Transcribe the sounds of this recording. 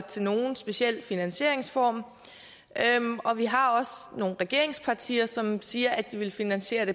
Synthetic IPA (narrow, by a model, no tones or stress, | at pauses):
t͡sʰe̝lno̝ːn̩sb̥e̝siel̰finænɕe̝ɐ̰e̝ŋsfɒ̰ːm | ømɒ̽ʋiɦɑ̈ɒ̽sno̝ːn̩ʁɛɡ̥e̝ɐ̰e̝ŋspʰɑ̈t͡sʰḭːɐsɒ̽msiːɐʔæd̥d̥iʋe̝lfinænɕe̝̰ːɐd̥e̝